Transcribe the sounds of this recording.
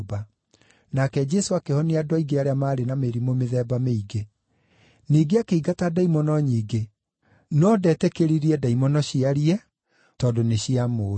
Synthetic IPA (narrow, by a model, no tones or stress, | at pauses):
ba | nakɛd͡ʒɛsoakehɔneadwaiɡeaɾeamaːɾenameɾimomeðɛːbameiɡe | niːɡeakeiɡatadaimɔnɔɲiːɡe | nɔdɛtɛkeɾiɾiɛdaimɔnɔɕiaɾiɛ | tɔdoneɕiamo